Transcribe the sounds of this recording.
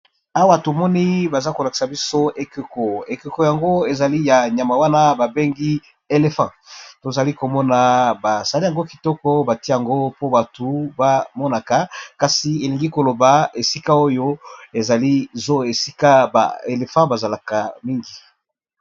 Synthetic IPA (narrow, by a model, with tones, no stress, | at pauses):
a˦wa˦to˨mɔ˦ni˦ba˨za˦ko˨la˨ki̥˨sa˨bi˦so˦e˨ke˨ko˨e˨ke˨ko˨ja˨ŋɡo˦e˨za˨li˦ja˨ɲa˨ma˨wa˦na˦ba˨be˦ŋɡi˦ | e˨le˨fã˦˨to˨za˨li˦ko˨mɔ˦na˨ba˨za˨li˦ja˨ŋɡo˦ki˨tɔ˦kɔ˦ba˨ti˦ja˨ŋɡo˦po˦ba˨tu˨ba˦mɔ˦na˨ka˨ka˨si˨e˨li˨ŋɡi˦ko˨lo˨ba˨e˨si˦ka˦o˦jo˦e˨za˨li˦zo˦e˨si˦ka˦ba̰˨e˨le˨fã˦ba˨za˨la˨ka˨mi˦ŋɡi˨